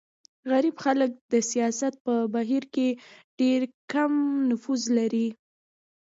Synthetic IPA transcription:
ɣaɾibxalək̚d̪əsijɑsat̪̚pəbaɦiɾkeɖ̥eɾkamnʊfuzlaɾi

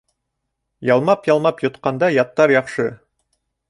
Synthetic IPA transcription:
jɑlˠmɑpjɑlˠmɑpjŏt̪qɑnd̪ɑjɑt̪ːɑɾjɑχʃɤ

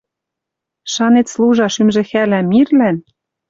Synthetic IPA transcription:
ʃɑnet̪sluʒɑʃymʒɘ̆xælæmirlæn

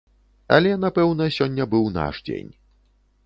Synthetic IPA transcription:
ɐ̰lʲɛnapɛwnɐsʲɔnʲːɐbɨwna̰ʂd͡zʲḛnʲ

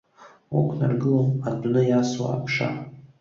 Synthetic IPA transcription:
okʷʰnarɡɨloadnɨjaswa̰ːpʰʂa̰

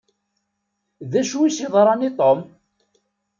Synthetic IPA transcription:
ðæʃuisiðˤɾˤɑnit̪ˤom

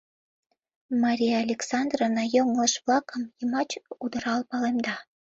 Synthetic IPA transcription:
mɑɾʲijɑɑlʲeksɑnd̪ronɑjomlˠəʃβlɑkəmjəmɑt͡ɕud̪ə̆ɾɑlpɑlemd̪ɑ

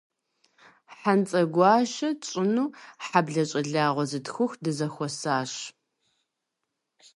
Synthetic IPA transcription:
ħant͡sʼɐɡʷɑːʃɐt͡ʃʼɪnuːħabɮɐɕʼɐɮaːʁʷɔzɨtxʷʊxdɨzɐxʷɔsaːɕ

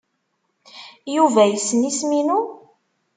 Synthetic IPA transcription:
juvæjəsːnisminu

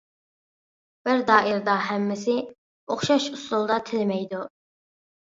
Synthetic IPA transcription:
b̥ɪɾd̪ɑːʔɪɾd̪ɑɦæmːɪsɪ | oχʃɑʃuslˠulˠd̪ɑt̪ʰɪlmɛjd̪u

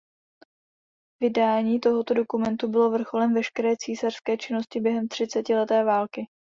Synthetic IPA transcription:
vɪdaːɲiːt̪o̞ɦo̞t̪o̞do̞kumɛnt̪ubɪlo̞vr̩xo̞lɛmvɛʃkɛɾɛːt͡siːsar̥skɛːt͡ʃɪno̞scɪbjɛɦɛmt̪r̝̥ɪt͡sɛcɪlɛt̪ɛːvaːlkɪ

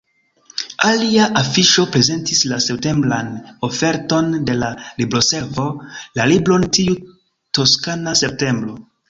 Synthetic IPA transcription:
aliaʔafiʃo̞pɾe̞ze̞ntislase̞p̚te̞mbɾano̞fe̞ɾto̞nde̞lalibɾo̞se̞lvo̞lalibɾo̞ntiu | to̞skanase̞p̚te̞mbɾo̞

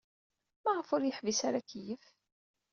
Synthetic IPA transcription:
mæʁəfʊɾjəħvisaɾakːjəf

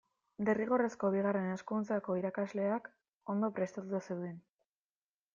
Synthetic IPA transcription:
d̪eriɣo̞re̞sko̞β̞iɣ̞are̞ne̞skunt͡sako̞iɾakazle̞ak | o̞nd̪o̞pɾe̞st̪at̪uasewðen

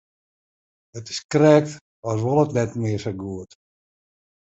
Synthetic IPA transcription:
ətɪ̥skrɛːk̚t | ɔsʋɔlˠətnɛtmɪəsəɡuət

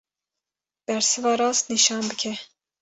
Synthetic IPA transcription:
b̥ɛɾsɨvɑːɾɑːst̪niʃɑːnbɨkʲʰɛ

